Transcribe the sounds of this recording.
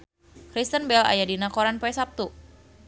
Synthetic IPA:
kɾist̪ənbɛla̰jadinakoɾanpɛsap̚t̪u

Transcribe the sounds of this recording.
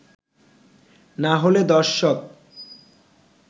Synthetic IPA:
naɦoled̪ɔɾʃok̚

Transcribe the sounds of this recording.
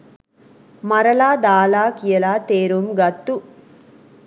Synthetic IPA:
mɐɾɐlaːd̪aːlaːkɪjɐlaːt̪eːɾumɡɐt̪ːu

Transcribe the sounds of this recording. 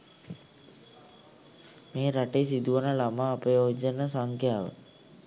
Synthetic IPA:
meːɾaʈesid̪uʋənəlamaːpəjod͡ʒənəsaŋkjaːʋə̰

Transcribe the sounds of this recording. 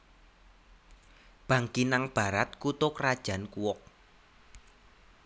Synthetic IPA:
b̥ä̤ŋkinaŋb̥a̤ɾat̪̚kut̪ʊkrad̥ʒ̥a̤nkuwɔk̚

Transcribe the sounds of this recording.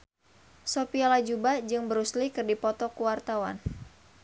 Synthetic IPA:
sopialad͡ʒubad͡ʒɨŋbəɾuslikɨrdipɔt̪ɔkuwart̪awa̰n

